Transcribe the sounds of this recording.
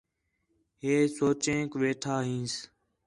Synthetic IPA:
ɦeːsoːt͡ʃẽːkʋeːʈʰaːɦĩːs

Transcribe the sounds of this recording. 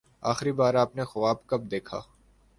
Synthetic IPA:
a̰ːxɾibaːɾaːpnexʊʋaːbkɐb̚d̪eːkʰa̰ː

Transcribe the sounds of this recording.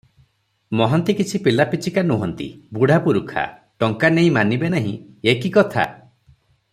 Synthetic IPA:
mɔɦɔnt̪ikit͡ʃʰipilapit͡ʃʰikanuɦɔnt̪ḭbuɽ̤ʱapuɾukʰa̰ | ʈɔŋkaneĩmanibenaɦḭ̃ | ekikɔt̪ʰa̰

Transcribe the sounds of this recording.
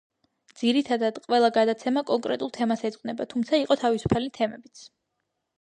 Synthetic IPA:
d̪z̥iɾit̪ʰad̪ad̪̥qʼwɛlˠaɡad̪at̪sʰɛmakʼɔŋkʼɾɛt̪ʼulˠt̪ʰɛmasɛzʼqʼnɛbat̪ʰumt̪sʰaiqʼɔt̪ʰavisu̥pʰalit̪ʰɛmɛbit̪sʰ

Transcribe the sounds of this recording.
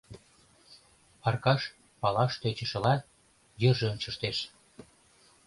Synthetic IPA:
ɑrkɑʃ | pɑlɑʃt̪øt͡ɕə̆ʃə̆lɑt̪ | jə̆rʒĕonʲt͡ɕəʃt̪eʃ

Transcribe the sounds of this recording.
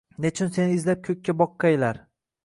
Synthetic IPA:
net͡ʃʰʊnse̞nɪɪzlap̚kʲʰɵk̚ʲːabɒqːɑjlaɾ

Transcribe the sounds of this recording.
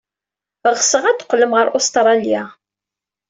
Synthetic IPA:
əʁsəʁæt̪ːə̥qːləmʁəɾʔost̪ɾˤɑlija

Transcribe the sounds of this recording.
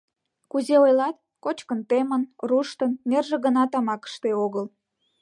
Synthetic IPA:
kuzeojlɑt̪ | kot͡ɕkənt̪emənruʃt̪ənnerʒĕɣənɑt̪ɑmɑkə̥ʃt̪eoɣəl

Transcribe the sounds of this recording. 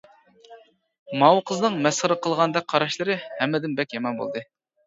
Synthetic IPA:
mɑwqʰəznɨŋmɛsχəɾəqʰəlˠʁɑnd̪ɛk̚ʲqʰɑɾɑʃlˠɨɾɨhɛmːɪd̪ɪnbɛkʲjɑmɑnbo̰lˠd̪ɨ

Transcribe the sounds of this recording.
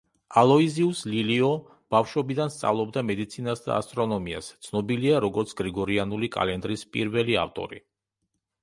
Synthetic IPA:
alˠɔiziusliliɔ | b̥afʃɔbid̪anst̪sʼa̰vlˠɔbd̪amɛd̪it̪sʰinasd̪a̰a̰st̪ʼɾɔnɔmia̰st̪sʰnɔbiliaɾɔɡɔɾt̪sʰɡ̥ɾiɡɔɾianulikʼa̰lɛnd̪ɾispʼḭɾvɛlia̰ft̪ʼɔ̰ɾi

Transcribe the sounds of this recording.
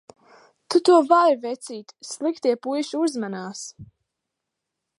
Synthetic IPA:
t̪ut̪uɔvaɾvɛt̪siːt̪slˠikt̪iɛpujʃuuzmanaːs

